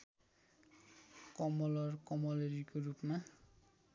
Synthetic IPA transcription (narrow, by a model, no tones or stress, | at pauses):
kɔmɔlɔɹkɔmɔleɹikoɹupna